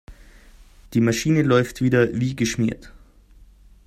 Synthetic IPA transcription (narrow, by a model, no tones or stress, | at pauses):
d̥iːmaʃiːnəlɔʏftv̥iːdɐviːɡəʃmiːɐt